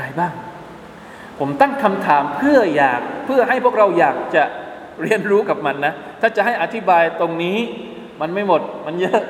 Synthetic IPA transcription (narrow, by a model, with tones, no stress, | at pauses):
a˧jbaː˥˩ŋ | pʰo˩˦mt̪a˥˩ŋkʰa˧mt̪ʰaː˩˦mpʰɯ˥˩ɐjaː˨˩k̚pʰɯ˥˩ɐɦa˥˩jpʰu˥˩ək̚ɾa˧wjaː˨˩k̚t͡ɕa˨˩ | ɾi˧ənɾuː˦˥ka˨˩p̚ma˧nːa˦˥t̪ʰaː˥˩t͡ɕa˨˩ɦa˥˩jʔa˧t̪ʰi˦˥baː˧jt̪o˧ŋniː˦˥ | ma˧nma˥˩jmo˨˩t̪̚ma˧njɤ˦˥ʔ